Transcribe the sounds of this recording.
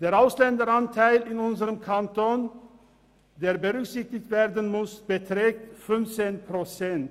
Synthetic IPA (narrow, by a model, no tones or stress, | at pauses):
d̥eːɐʁaʊslɛndəɾantʰaɪlɪnʊnzəʁəmkʰantoːn | deːɐbəʁʏksɪçtɪçtv̥eːʁdən̩mʊsb̥ətʁ̥ɛːk̚tfʏnft͡seːnpʁot͡sɛnt